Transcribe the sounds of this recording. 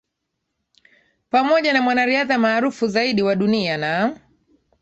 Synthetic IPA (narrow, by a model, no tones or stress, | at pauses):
pamɔʄanamwanaɾiaðamaːɾufuzaiɗiwaɗuniana